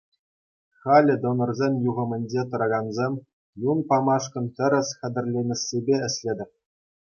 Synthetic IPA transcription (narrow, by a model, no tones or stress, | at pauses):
χɑlʲɘ̆d̪ŏnɤ̆rzʲemʲjuʁɤ̆mʲɘ̆nʲd͡ʑet̪ɤ̆ɾɑɡɑnzʲemʲ | junpɑmɑʂkɤ̆nt̪ʲɘ̆ɾʲɘ̆sʲχʲɘ̆d̪ʲɘ̆rʲlʲenʲɘ̆sʲːebʲeɘ̆sʲlʲed̪ʲɘ̆pʲ